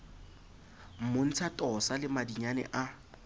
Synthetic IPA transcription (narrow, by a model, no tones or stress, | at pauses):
m̩mʊn̩t͡sʰatʼɔsalɪmadiɲanɛ̰ʔa